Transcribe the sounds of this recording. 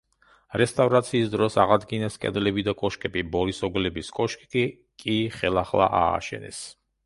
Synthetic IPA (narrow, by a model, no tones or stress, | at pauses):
ɾɛst̪ʼavɾat̪sʰiːsd̪ɾɔsaʁad̪ɡinɛskʼɛ̰d̪lɛbid̪akʼɔʃkʼɛbibɔlisɔɡlɛbiskʼɔʃkʼikʼi | kʼiχɛlˠaχlˠa̰ʔa̰ːʃɛ̰nɛ̰s